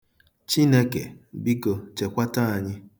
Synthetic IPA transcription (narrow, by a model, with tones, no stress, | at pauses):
t͡ʃi˦ne˦kḛ˨bi˦ko˨t͡ʃe˨kʷa˦ta˦a˨ɲɪ˦